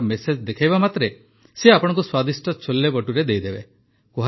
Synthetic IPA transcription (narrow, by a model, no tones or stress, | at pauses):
mesed͡ʒd̪ekʰajbamat̪ɾe | seapɔɽ̃ɔ̃ŋkuswad̪isʈɔt͡ʃʰolːebɔʈuɾed̪ejd̪ebe | koɦa